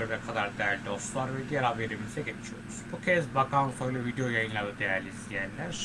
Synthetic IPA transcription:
øɾvɛkʰad̪aɾd̪ejæɾlʲid̪ost̪lˠaɾvɛd̪ijaɾabveɾimiizɛɟet͡ʃʰijo̞ɾuz̥bucʰɛzbakanfojlˠɯvid̪ejojajɯnlˠad̪ɯd̪ejæɾlʲizʲijænlʲæɾ

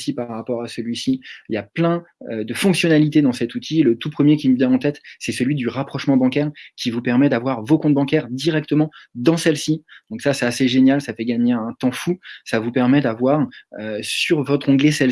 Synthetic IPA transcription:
sipaʁːapɔʁasəlɥisiiljaplɛ̃ød̪əfɔ̃ksjɔnalit̪ed̪ɑ̃sɛt̪ut̪ʰilət̪upχəmjekʲimubjɛ̃ɑ̃t̪ɛt̪sɛsəlɥid̪yʁapχɔʃmɑ̃bɑ̃kʲɛʁkʲivupɛʁmɛd̪avwaʁvokɔ̃t̪̚bɑ̃kʲɛʁd̪iʁɛk̚t̪əmɑ̃d̪ɑ̃sɛlsid̪̥ɔ̃ksasɛt̪aseʒenjalsafɛɡaɲeɛ̃t̪ɑ̃fusavupɛʁmɛd̪avwaʁøsyʁvɔt̪χɑ̃ɡlesɛl

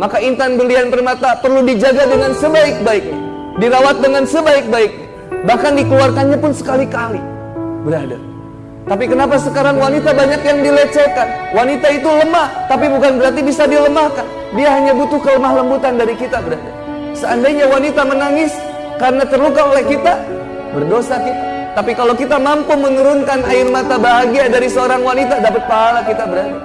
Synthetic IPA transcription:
makaint̪anbəlianpərmat̪apərludid͡ʒaɡadəŋansəbaɪk̚baɪk̚ɲa | diɾawat̪̚dəŋansəbaɪk̚baɪk̚ɲa | bahkandikəluarkanɲapʊnsə̥kalikali | bəɾada̰ | t̪apikənapasəkaɾaŋwanit̪abaɲakjaŋdilət͡ʃəkanwanit̪ait̪uləmaht̪apibukanbəɾart̪ibisadiləmahkan | diaɦaɲabut̪ʊhkələmahləmbut̪andaɾikit̪abəɾada̰ | səandajɲawanit̪amənaŋɪs | kaɾənat̪ərlukaolɛhkit̪a | bərdosakit̪a | t̪apikalokit̪amampumənuɾʊnkanaɪrmat̪abaɦaɡiadaɾisəoɾaŋwanit̪adapət̪̚paɦalakit̪abəɾada

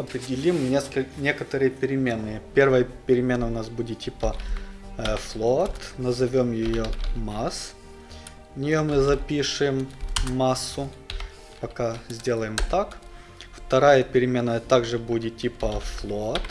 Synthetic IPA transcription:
ɐpɾʲɪdʲɪlʲimnʲesknʲe̞kət̪əɾɨjəpʲɪɾʲɪmʲenːɨpʲe̞rvəjəpʲɪɾʲɪmʲe̞nːəʊnasbudʲɪt̪̚tʲːipə | flˠot̪nəzɐvʲo̞mjɪjomas | nʲɪjomɨzɐpʲiʂɨjɪmːasːʊ | pɐkazʲdʲe̞lˠəjɪmt̪ak | ft̪ɐɾajəpʲɪɾʲɪmʲe̞nːəjət̪aɡʐɨbudʲɪt̪tʲipəflˠot̪

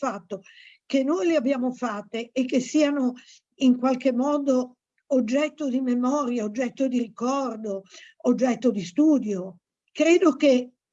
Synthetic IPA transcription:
fat̪ːo | kenːojleabːjaːmofat̪ːeʔːkːesːiano | iŋkwalkemːɔːd̪oː | d͡ʒːɛt̪ːod̪imemɔːɾjaod͡ʒːɛt̪ːod̪iɾikɔrd̪o | od͡ʒːɛt̪ːod̪ist̪uːd̪jo | kɾeːd̪oke

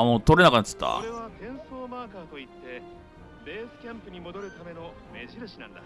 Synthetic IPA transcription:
moːt̪o̞ɾenakanat͡sɨ̥t̪ːa̰ɾeβak̪ẽ̞ɰ̃so̞ːmaːkaːt̪o̞it̪ːe̞ | be̞ːsɨ̥kʲãmpɯ̟ɲ̟imo̞d̪o̞ɾɯ̟t̪ame̞no̞ | me̞ʑiɾɯ̟ɕinãnd̪a

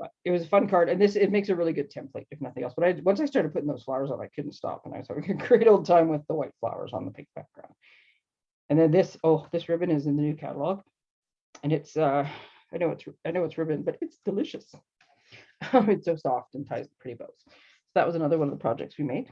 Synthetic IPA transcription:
b̥ʌ̰ɨt̚wʌzəfʌ̃nkʰɑɹɾɨ̃nðɪsɪt̚meɪksɨɹɪlˠiɡʊd̚tʰɛ̃mpʰleɪɨfnʌθɪ̃ŋɛlˠsb̥ʌɾaɪwʌ̃nsaɪstɑɹɾɨpʊɾɪ̃ŋðoʊz̥flaʊə˞zn̩a̰ɪkʰʊdⁿn̩tstɑ̰pə̃na̰ɪwʌz̥hæ̰vɪ̃ŋɨkʰɹ̥eɪɾoʊlˠd̚tʰãɪ̃mwɨðəwaɪtfla̰ʊə̰˞zn̩ðəpʰɪ̃ŋk̚b̥æ̰k̚ɡ̥ɹã̰ʊ̃nd̥̚ | ɨ̃nðɨ̃nðɪsoʊðɪsɹɪbɨ̃nɨzɨ̃nðɨnʉkʰæ̰ɾəlɔɡ | ɨ̃nɨtsʌ | aɪnoʊwʌ̰tsaɪnoʊwʌtsɹɪbɨ̃nbʌɾɨtsd̥ɨlɪʃɨs | ʌ̃ɨtsoʊsɔftn̩tʰaɪz̚pʰɹ̥ɪɾibo̰ʊtz | soʊðə̰ʔ̚wʌzɨnʌðə˞wʌ̃nʌvðəpʰɹ̥ɑ̰d͡ʒɛ̰k̚tswimeɪd̥

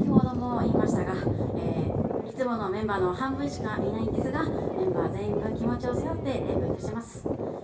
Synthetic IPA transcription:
ho̞ːd̪o̞mo̞iːmaɕi̥t̪aɡaeːit͡sɨmo̞no̞mẽ̞mbaːno̞hãmbɯiɕi̥kamʲinaĩnd̪e̞sɨɡamẽ̞mbaːzẽ̞ŋɡɯ̟̃ŋkʲimo̞t͡ɕio̞sɨjot̪ːe̞ḛmoit̪aɕimasɨ̥

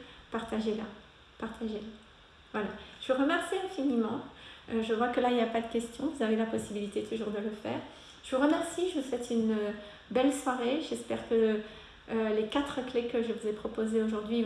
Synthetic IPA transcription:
paʁt̪aʒela | paʁt̪ʰaʒela | vwalaʒəvuʁəmɛʁsiɛ̃finimɑ̃øʒəkʁwakəlailjapad̪əkʲɛst̪jɔ̃vuzavelapɔsibilit̪et̪ʰuʒuʁd̪ələfɛ̰ːʁ | ʒ̥əvuʁəmɛʁsiʒəswɛt̪ʰynø | bɛlswaʁeʒɛspɛʁkə | lekat̪χəklekəʒəvuzepχɔpozeoʒuʁd̪ɥi

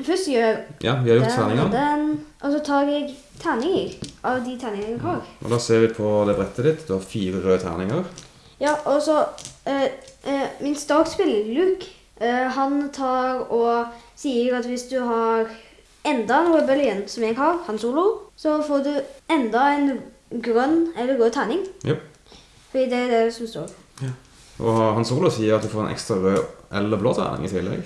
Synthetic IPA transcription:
fœsøjɑ̰ːʋɪhɑɾjʊtt̪ʰːæ̰ːnɪŋəd̪ɛnʔɔsɔt̪ʰɑːɾɛɡ | t̪ʰænɪŋəɾʔɑʋd̪ɪt̪ʰæːnɪŋəɛɡhɑːɾʔɔ̰d̪ɑːseːɾʋɪpʰɔd̪ɛbɾɛt̪ʰːəd̪ɪt̪d̪ʉhɑɾfiːɾəɾøːt̪ʰæ̰ːʁnɪ̰ŋəʁ | jɑːʔɔsɔ | mɪnst̪ɑːɡspɪləlʉk | ɦɑnt̪ʰɑːɾɔsiːəɾɑt̪ʋɪsd̪ʉɦɑɾ | ɛnd̪ɑɛnɾøbɛlɪɛnsɔmɛɡɦɑɾhɑnsuːlʊsɔfoːd̪ʉɛnd̪ɑɛn | ɡɾœnːɛlːəɾɡøːt̪ʰæɪnɪŋ | fɔd̪iːd̪ɛæd̪ɛsɔmst̪o̰ːɾ | ʔɔ̰ɦɑnsuːlʊsiːəɾɑt̪̚d̪ʉfoːɾɛ̰nʔɛ̰kst̪ɾɑɾøʔɛlːəblo̰ːt̪ʰæ̰ɪnɪ̰ŋɪ̰t̪ʰɪlːɛ̰ɡ

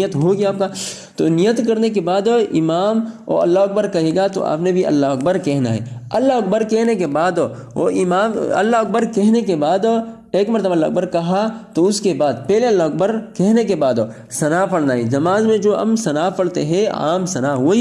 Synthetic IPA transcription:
jət̪ɦoɡijaːp̚ka | t̪onijːət̪kɐɾnek̬ebaːd̪ɪmaːmɔ̰ɐ̰lːaɦɐk̚bəɾkɐɦeːɡat̪o̰ʔa̰ːpnebʱiɐ̰lːaɦɐk̚bəɾkɛɦna̰ɦɛ̰ɐlːaɦɐk̚bəɾkɛɦnek̬ebaːd̪ | o̰ɪmaːmɐ̰lːaɐk̚bəɾkɛɦnekebaːd̪ | eːkmɐɾt̪əbaɐlːaʊ̰k̚bəɾkɐɦat̪oʊskebaːd̪pɛːleɐlːaɐk̚bəɾkɛɦnekebaːd̪ | sɐnapɐɽnaːid͡ʒɐmaːzmẽd͡ʒoːɐ̰msɐnapɐɽt̪eɦɛ̃a̰ːmsɐnaʋoi

